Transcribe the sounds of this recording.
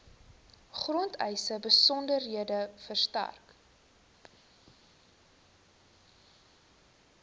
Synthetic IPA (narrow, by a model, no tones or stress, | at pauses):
χrɔntɛ̰jsəbəsɔndərɦiədəfərstæ̰rk